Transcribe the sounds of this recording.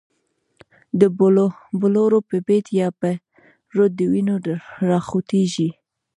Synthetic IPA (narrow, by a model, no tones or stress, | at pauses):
d̪əbʊloɾopəbet̪jɑpa | ɾod̪̚d̪ːəwinoɾɑxut̪eʒi